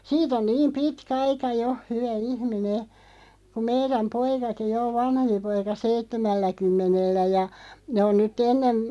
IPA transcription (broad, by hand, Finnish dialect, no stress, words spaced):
siːt on niːm pitkæ ɑikɑ jo hyʋæ ihmine kum̆ meiræm poikɑki jo o ʋɑnhempi poikɑ seitːemælːækymːenelːæ jɑ ne on nytˑ enːen